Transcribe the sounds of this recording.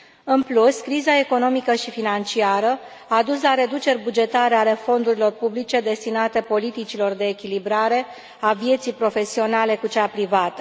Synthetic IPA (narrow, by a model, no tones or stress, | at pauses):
ɨnpluskɾizae̞ko̞no̞mikəʃifinant͡ʃiaɾə | aːd̪uslaɾe̞d̪ut͡ʃe̞rʲbud͡ʒe̞t̪aɾe̞ale̞fo̞nd̪uɾilo̞rpublit͡ʃe̞d̪e̞st̪inat̪e̞po̞lit̪it͡ʃilo̞rd̪e̞ːkʲilibɾaɾe̞ | avije̞t̪sijpɾo̞fe̞sio̞nale̞kut͡ʃapɾivat̪ə̥